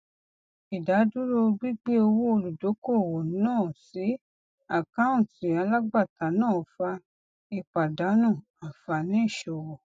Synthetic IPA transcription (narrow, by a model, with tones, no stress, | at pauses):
i˨da˨˦du˦ɾo˧ɡ͡bi˦ɡ͡be˦o˧wo˦o˧lu˨do˨˦ko˦˨wo˨˦nãː˦˨si˨˦ | a˦˨kã˦wũ˦˨ti˨a˧la˦ɡ͡ba˦˨ta˨nãː˦˨fa˧ | i˧k͡pa˨da˨˦nũ˦˨ | a˨fa˧nĩ˦i˦˨ʃɔ˨wɔ˨